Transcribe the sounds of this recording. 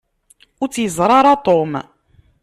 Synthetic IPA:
ut͡sːjəzˤɾˤɑɾˤɑt̪ˤom

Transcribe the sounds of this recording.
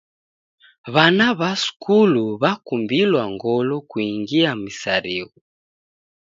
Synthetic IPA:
βanaβasu̥kuluβakumbilwaŋɡɔlɔkwiŋɡiamisaɾiɣu

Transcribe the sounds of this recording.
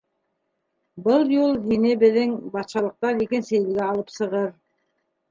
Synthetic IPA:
bɤlˠjulˠɦinebɘ̆ðɘŋbɑt̪ʃɑlˠɤ̆q̚t̪ɑɾjekensæ̆jɘ̆lɡæɑlˠɤpsɤ̆ʁɤɾ

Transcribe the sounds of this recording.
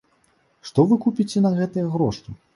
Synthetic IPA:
ʂt̪ɔvɨkupʲit͡sʲɛnɐɣɛt̪ɐjɐɣɾɔʂt̪ɨ

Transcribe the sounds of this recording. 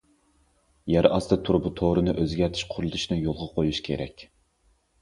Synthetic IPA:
jɛɾɑst̪ɨt̪ʰuɾbut̪ʰoɾɨnɨʔøzɡʲɛɾt̪ʰɪ̥ʃqʰʊɾlˠd̪ʰuʃnɨjolˠʁɑqʰojuʃkʲʰḛɾɛ̰kʲ

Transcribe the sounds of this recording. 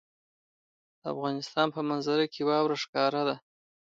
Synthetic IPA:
d̪̥əa̰fɣɑnɪst̪ɑnpəmanzaɾakʰewɑwɾaʂkɑɾad̪a

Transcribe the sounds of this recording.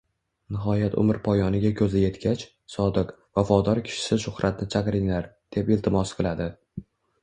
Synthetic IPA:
nɪɦɒjat̪ʰʊ̰mɪɾpʰɒjɒnɪɡʲakʲʰɵzɪje̞t̪kʲat͡ʃ | sɒd̪ɨq | vafɒd̪ɒɾkʲʰɪ̥ʃɪ̥sɪʃʊχɾʔat̪̚nɪt͡ʃʰaqɾɪŋlaɾd̪̥e̞pɪlt̪ʰɪmɒsqʰɨlˠad̪ɪ

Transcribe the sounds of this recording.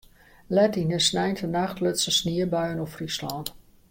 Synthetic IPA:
lɛtinəsnɛjntənaxtløtsəsniəbœɥənɔfrislɔnt

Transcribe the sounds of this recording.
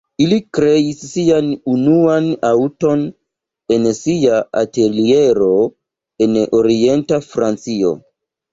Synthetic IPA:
ilikɾe̞isːianunuanawto̞n | e̞nsiaa̰te̞lie̞ɾo̞ | e̞noɾie̞ntafɾant͡sio̞̰

